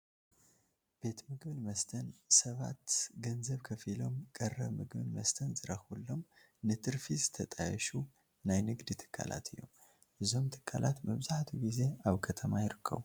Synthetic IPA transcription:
b̥e̞t̪mɨɡbɨnmɐst̪ʰɐnsɐβat̪ɡɐnzəβkʰɐfilo̞mkʼɐrːɐβmɨɡmɨnmɐst̪ʰənzɨɾəxulːo̞m | nɨt̪ʰʼɨɾfizɨt̪ʰət̪ʼajɛʃu | najnɨɡd̪ɨt̪ʰɨ̥kʰʼːa̰la̰t̪ʰɨjːo̞̰m | ʔɨzo̞mt̪ʰɨ̥kʰʼːa̰lʔat̪məβzaħt̪ʰuɡize̞aβkʰət̪ʰəmajɪɾɨkʰːə̰w

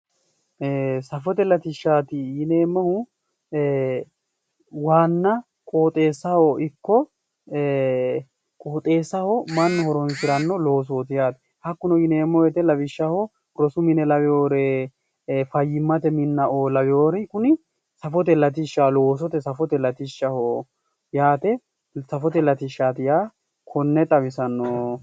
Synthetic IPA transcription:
eːsɐfɔt̪ɛlɐt̪ɪʃːaːt̪ɪjɪne̞ːmːɐhʊ | waːnːɐ | kʼoːt̪ʼe̞ːsːɐhɔʔɪkːɔ | kʼoːt̪ʼe̞ːsɐhɔmɐnːhɔɾɔnsɪɾɐnːɔlo̞ːs̬oːt̪ɪjaːt̪ | hɐkːʊnɔjɪneːmːɔjɛt̪ɛlɐbɪʃːahɔ | ɾɔsʊmɪnɛlɐbɪoːɾɛ | fɐjːɪmːɐt̪ɛmɪnːɐʔoːlɐbɪjoːɾɛkʊnɪ | sɐfɔt̪̬ɛlɐt̪̬ɪʃːalo̞ːs̬ɔt̪ɛsɐfɔt̪ɛlɐt̪ɪʃːɐho | jaːt̪ɛ | sɐfɔt̪ɛlɐt̪ɪʃːaːt̪ɪja | kʰɔnːɛt̪ʼɐβɪsɐnːɔ

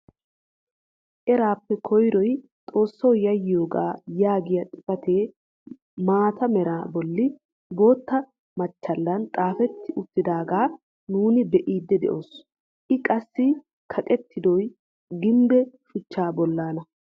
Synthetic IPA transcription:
ʔɛɾaːpːɛkʰɔjɾɔj | t̪ʼo̞ːsːɔwjɐjɪjo̞ːɡa̰ːjaːɡɪjɐt̪ʼɪfɐt̪eː | maːt̪ɐmɛɾaːbɔlːɪ | bo̞ːt̪ːɐ | mɐt͡ʃːɐlːɐnt̪ʼaːfɛt̪ːɪʔʊt̪ːɪd̪aːɡaː | nuːnɪbɛʔiːd̪ːɛd̪ɛ̰ʔo̞ːs | ʔɪkʼɐsːɪ | kʰɐkʼɛt̪ːɪd̪ɔj | ɡɪmbɛʃʊt͡ʃːaːbɔlːaːnɐ

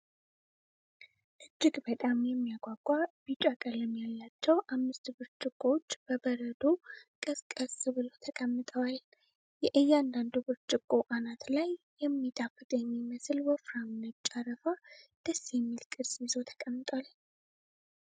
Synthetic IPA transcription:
ʔɨd͡ʒːɪɡbət̪ʼamjɛmːijaɡʷaɡʷabit͡ʃʼakʼələmjalːat͡ʃːɛwʔamːɨst̪bɨɾt͡ʃʼɪkʼːot͡ʃːb̥əbəɾəd̪okʼɨskʼəsbɨlo̞t̪ʰəkʼəmːɨt̪ʼəwal | jɛʔɨjːand̪and̪ubɨɾt͡ʃʼɪkʼːo̞ʔanat̪lajːɛmːit̪ʼafɨt̪ʼɛɲːiməslwɔfɾamɨnət͡ʃʼːaɾəfad̪̥əsːjɛmːilkʼɨd̪sjizo̞t̪ʰə̥kʼəmːɨt̪ʼal

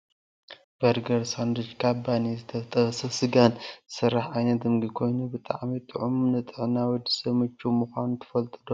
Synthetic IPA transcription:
b̥ɐɾɡɐɾsand̪ɾɨt͡ʃkʰabanizɨt̪ʰɐt̪ʼɐsɐsɨɡansɨɾːaħajnɐt̪dɨmɡikʰo̞jnubɨt̪ʼa̰ʕmit̪ʼɨʕʊmnɨt̪ʼɨʕɨnawɔd̪ːɨ̥sɐβmɨt͡ʃːumuxʷanut̪ʰɨ̥fɐlt̪ʼɨd̪o

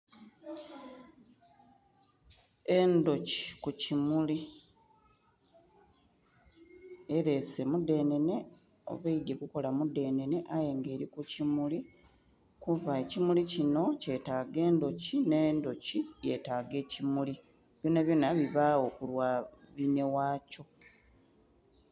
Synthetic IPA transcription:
e̞ndo̞ci̥kucimuli | e̞ɾe̞se̞mude̞ːne̞ne̞ | o̞̰βeide̞kuko̞lamude̞ːne̞ne̞ʔaje̞ŋɡe̞ːɾikucimuli | kuβaecimulicino̞ce̞taɡe̞ːndo̞cine̞ndo̞cije̞taːɡe̞ːcimuli | βjoːnaβjonaβiβao̞kulwaβine̞waːco̞

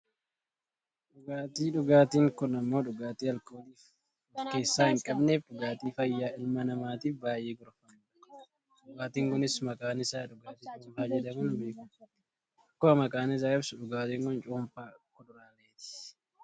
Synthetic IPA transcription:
ᶑʊɡaːt̪iːᶑʊɡaːt̪iːŋkʊnɐmːo̞ːᶑʊɡaːt̪iːɐlkoːt̪iːf | ɔfke̞ːsːaːhɪŋkʼɐbnefᶑʊɡaːt̪iːfɐjːaːʔɪlmɐnɐmaːt̪iːfbaːjeːɡʊɾfaːɪɐ | ᶑʊɡaːt̪iːŋkʊnɪsmɐkʼaːnɪsaːᶑʊɡaːt̪iːt͡ʃʼut͡ʃːmfaːd͡ʒɛd̪ɐmʊnbeːkʊ | ɐkːoɐmɐkʼaːnɪs̬aːkɐbsʊᶑʊɡaːt̪iːŋkʊnt͡ʃʼuːmfaːkʊᶑʊɾaːleːt̪ɪ̥

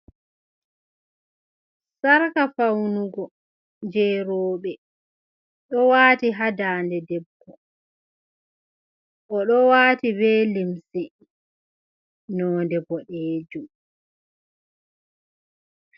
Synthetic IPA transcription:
saɾkafawnuɡɔ | d͡ʒɛːɾɔːɓɛ | ɗɔwaːtiɦadaːndɛdɛbːɔ | ʔɔɗɔwaːtibɛːlimsɛ | nɔːndɛbɔɗeːd͡ʒum

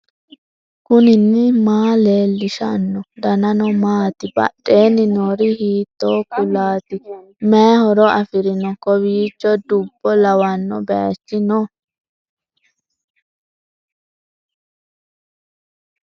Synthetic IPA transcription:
kʊnɪnːɪmaːle̞ːlːɪʃɐnːɔd̪ɐnɐnɔmaːt̪ɪbɐ̰ɗʼːe̞ːnːɪnoːɾɪhiːt̪ːoːkʊlaːt̪ɪ | mɛhɔɾɔɐfɪɾɪnɔkɔβiːt͡ʃːɔd̪ʊbːɔlɐwɐnːɔ̰bɛt͡ʃːɪnɔ

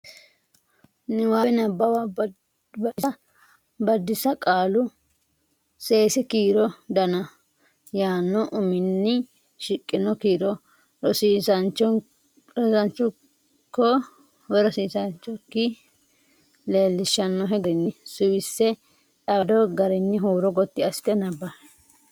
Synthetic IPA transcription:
nɛwaːɛnɐbːɐwa | bɐ | bɐd̪ːɪsɐkʼaːlʊ | seːsɛkiːɾɔd̪ɐnɐ | jaːnːɔʔʊmɪnːɪ | ʃɪkʼːɪnɔkiːɾɔ | ɔsiːsɐnt͡ʃɔ | sɐnt͡ʃːʊ | kːɔ | wɛɾɔsiːsɐnt͡ʃːɔkːɪ | le̞ːlːɪʃːɐnːɔɦɛɡɛnːɪsʊwɪsːɛ | t̪ɐd̪ɔɡɐɾɛnːɪɦuːɾɔɡɔt̪ːɪɐst̪ɛnɐbːɐ

